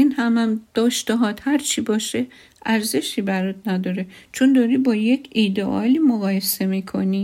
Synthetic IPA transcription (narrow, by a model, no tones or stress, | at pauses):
inhæmæmd̪̥ɒːʃt̪eɦɒːt̪hæɾt͡ʃʰiːbɒːʃe | ʔæɾze̞ʃiːbæɾot̪̚næd̪ɒːɾet͡ʃʰond̪ɒːɾiːbɒːjecʰid̪eʔɒ̰ːliːmoɣɒːjese̞miːkʰoni